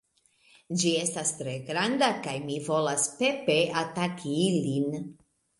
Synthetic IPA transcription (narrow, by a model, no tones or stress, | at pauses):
d͡ʒie̞stastɾe̞ɡɾandakajmivo̞laspe̞pe̞atakʰiilin